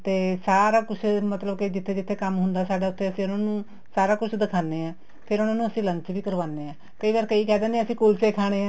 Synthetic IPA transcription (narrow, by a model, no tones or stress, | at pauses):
t̪eːsaːɾaːkʊt͡ʃʰmət̪ləbkɪd͡ʒɪt̪ʰːeːd͡ʒɪt̪ʰːeːkəmɦʊnd̪aːsaːɖaːʊt̪ʰːeːəsĩːʊnãːnũː | saːɾaːkʊt͡ʃʰd̪ɪkʰaːneːãː | pʰɪɾʊnãːnũːəsĩːlə̃ɲt͡ʃʋiːkəɾʋaːnːeːãː | kəiːʋaːɾkəiːkɛːd̪ẽːneːəsĩːkulseːkʰaːɽ̃eːãː